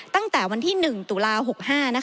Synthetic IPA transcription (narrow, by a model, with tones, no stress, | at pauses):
t̪a˥˩ŋt̪ɛː˨˩wa˧nt̪ʰiː˥˩nɯ˨˩ŋt̪u˨˩˦laː˧ɦo˨˩k̚haː˥˩na˦˥